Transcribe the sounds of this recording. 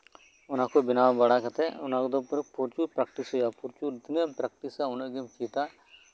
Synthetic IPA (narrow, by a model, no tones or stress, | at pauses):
ʊnãːkobɪnaːbəɽaːkət̪eʊnãːkd̪opəɾpuɾt͡ʃupɾəkʈɪsɦojaːpʊɾt͡ʃuːɪt̪nepɾəkʈisaʊnẽɡɪmkiːt̪aː